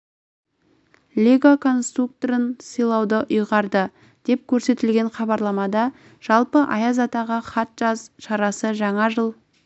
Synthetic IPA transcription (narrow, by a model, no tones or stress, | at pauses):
lʲeɡakʰo̞nst̪ruk̚t̪oɾənsəjlˠɑwd̪əʔʊjʁɑɾd̪ə | d̪̥e̞p̚kʲʰɵɾse̞t̪ɪlɡʲe̞ɴχɑbɑɾlˠɑmɑd̪ɑ | ʒ̥ɑlˠpəʔɑjɑzɑt̪ɑʁəχɑt̪ʒ̥ɑzʃɑɾɑsəʒɑɴɑʒəlˠ